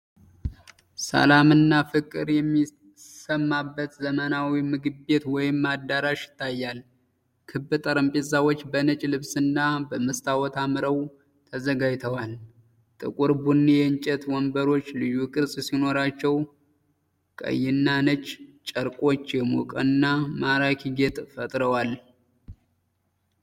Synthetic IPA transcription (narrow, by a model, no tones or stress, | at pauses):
sə̰lamɨnːafɨkʼːɨɾjɛmːi | səmːabːət̪zəmənawimɨɡɨbe̞t̪wɔjɪmːad̪ːaɾaʃjɪ̥t̪ʰːajːal | kʰɨbːɨt̪ʼəɾəmpʼezawot͡ʃːbənət͡ʃʼlɨβsɨnːabəməst̪ʰawɔt̪ʰamɨɾəw | t̪ʰəzəɡajt̪ʰəwal | t̪ʼɨ̰kʼuɾbunːijɛnt͡ʃʼɛt̪wɔmbəɾo̞t͡ʃːlɨjːukʼɨsʼsino̞ɾat͡ʃːɛw | kʼə̰jːɪnːanət͡ʃʼːt͡ʃʼəɾkʼo̞t͡ʃːjɛmukʼɨnːamaɾakʰiɡet̪ʼfət̪ʼɾəwal